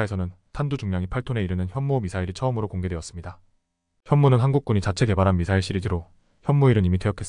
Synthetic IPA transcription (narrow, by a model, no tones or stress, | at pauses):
esʰʌnɯntʰandud͡ʑuŋmjaŋipʰaɭtʰone̞iɾɯnɯnçjʌnmuomisʰaiɾit͡ɕʰʌɯmɯɾokoŋɡe̞deʌs͈ɯmɲida | çjʌnmunɯnɦanɡuk̚k͈uɲit͡ɕat͡ɕʰe̞ke̞baɾɦanmisʰaiɭɕ͈iɾidiɾo | çjʌnmuiɾɯɲimitweʌkʰe̞s͈